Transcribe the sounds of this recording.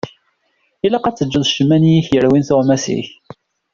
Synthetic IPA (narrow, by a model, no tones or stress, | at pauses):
ilæqɑt͡sːəd͡ʒːəðˤʃəmːænijiçjəɾwinθoʁmæsḭç